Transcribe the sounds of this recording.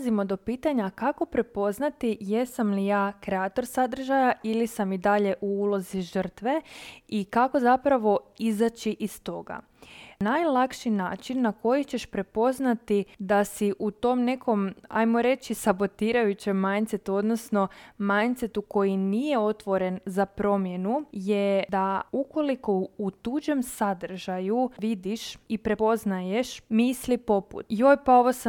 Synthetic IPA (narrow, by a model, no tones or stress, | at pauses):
zimo̞d̪o̞piːt̪aɲakako̞pɾe̞po̞znat̪ijesamlijaːkɾeaːt̪o̞ɾsad̪r̩ʒajaʔilisamid̪aʎe̞ʔuulˠo̞ziʒər̩t̪ʋe̞ikako̞zapɾaʋo̞izat͡ʃiʔist̪o̞ɡa̰ | najlˠakʃinaːt͡ʃinːako̞jit͡ɕeʃpɾe̞po̞znat̪id̪asiʔut̪o̞mne̞kʰo̞ma̰jmoɾe̞t͡ʃisabo̞t̪iːɾajut͡ɕemːajnt̪set̪uo̞d̪nosno̞majnt̪set̪uko̞jinije̞o̞t̪ʋo̞ɾe̞nzapɾo̞mje̞nujed̪auko̞liko̞ut̪ud͡ʒe̞msad̪r̩ʒajuʋid̪iʃipɾe̞po̞znajeʃmislipo̞pṵt̪jojpao̞ʋosa